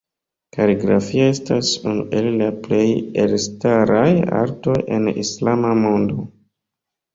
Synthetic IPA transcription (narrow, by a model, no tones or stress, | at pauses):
kaliɡɾa̰fioe̞stasunṵʔe̞llaple̞jelstaɾaja̰ɾto̞jʔe̞nḭslamamo̞ndo̞